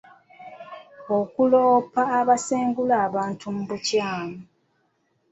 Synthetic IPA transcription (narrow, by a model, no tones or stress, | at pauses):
okuloːpaːβaseːŋɡulaːβaːntumuβucaːmu